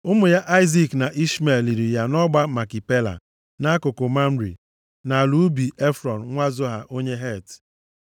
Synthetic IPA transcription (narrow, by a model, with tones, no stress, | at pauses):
ʊ˦mʊ˨ja˦ʔa˦ɪ˦zi˨kna˨ʔi˦sme˨li˨ɾi˨ja˦nɔ˦ɡ͡ba˦ma˨ki˨pe˦la̰˨ | na˦kʊ˨ko˨ma˦m̩˦ɾḭ˨ | na˨lu˨˦bi˨e˦fɾɔ˨n˨ŋʷa˦zo˦ɦa˨ʔo˦ɲe˦ɦe˦˨t